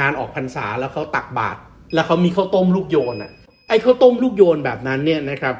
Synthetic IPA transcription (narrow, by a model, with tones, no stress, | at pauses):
aː˧nʔɔː˨˩k̚pʰa˧nsaː˩˦lɛː˦˥wkʰa˦˥wt̪a˨˩k̚ba̰ː˨˩t̪̚ | lɛː˦˥wkʰa˦˥wmiː˧kʰaː˥˩wt̪o˥˩mluː˥˩k̚joː˧nʔa̰˨˩ʔ | ʔa˧˩jkʰa˥˩wt̪o˥˩mluː˥˩k̚joː˧nbɛː˨˩p̚na˦˥nːi˥˩ɐna˦˥kʰɾa˦˥p̚